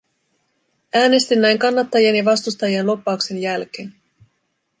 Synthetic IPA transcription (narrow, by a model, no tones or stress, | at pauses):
æːne̞st̪inːæjŋkɑnːɑt̪ːɑjienjɑʋɑst̪ust̪ɑjienlo̞pːɑukse̞njælk̟e̞ːn